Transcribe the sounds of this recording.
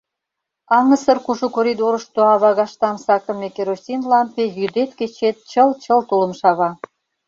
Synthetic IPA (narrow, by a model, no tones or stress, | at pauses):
ɑŋəsə̆rkuʒukoɾʲid̪oɾə̆ʃt̪oɑβɑɣɑʃt̪ɑmsɑkə̆mːekeɾosʲinlɑmpejyd̪et̪ket͡ɕet̪̚t͡ɕəlt͡ɕəlt̪ulə̆mʃɑβɑ